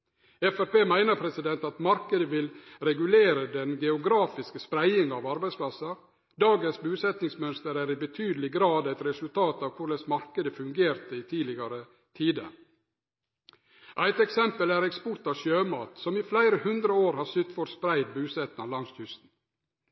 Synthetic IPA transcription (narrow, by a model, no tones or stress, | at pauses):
ɛfæɾpeːmæɪnəpʰɾɛsɪd̪ɛnt̪ɑt̪mɑɾkəd̪əʋɪlɾɛɡʉleːɾəd̪ɛnɡɛʊɡɾɑːfɪskəspɾæɪɪŋɑːʋɑɾbæɪspʰlɑsɑ | d̪ɑːɡənsbʉːsɛt̪nɪŋsmœnst̪əɾæɾɪbət̪ʰyːd̪əl̩ɪɡɾɑːd̪æɪt̪ɾɛsʉlt̪ʰɑːt̪ɑːʋkʰʊɭəsmɑɾkəd̪əfʉŋɡeːɾt̪əɪt̪ʰiːlɪɡɑɾə | t̪ʰiːd̪ə̰ | ʔæɪt̪ɛksɛmpəlæɾɛkspɔʈɑʋʃjøːmɑːt̪sɔmiːflæɪɾəhʉnd̪ɾəoːɾhɑːsʏt̪fɔɾspɾæɪd̪̚bʉːsɛt̪nɑlɑŋst̪hʏst̪n̩